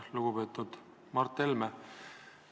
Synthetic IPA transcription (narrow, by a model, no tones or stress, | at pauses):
luɡ̥upe̞ːt̪ːˑud̪̥ | mɑrt̪ˑːelme